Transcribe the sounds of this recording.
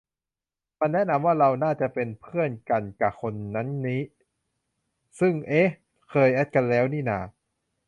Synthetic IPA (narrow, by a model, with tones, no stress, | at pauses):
ma˧nːɛ˦˥ʔna˧mwaː˥˩ɾa˧wnaː˥˩t͡ɕa˨˩pe˧npʰɯ˥˩ənka˧nka˧˩kʰo˧nːa˦˥nːiː˦˥ | sɯ˥˩ŋʔe˦˥h | kʰɤː˧jʔɛ˦˥t̪̚ka˧nlɛː˦˥wniː˥˩na̰ː˧˩